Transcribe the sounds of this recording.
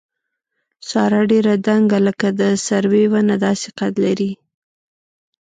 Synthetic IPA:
sɑɾaɖeɾad̪aŋɡaləkad̪əsaɾwewanad̪ɑsɪ̥qat̪laɾi

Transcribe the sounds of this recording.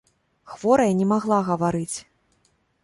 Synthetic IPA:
xvɔɾɐjɐnʲɛmaɣlˠaɣɐvaɾɨt͡sʲ

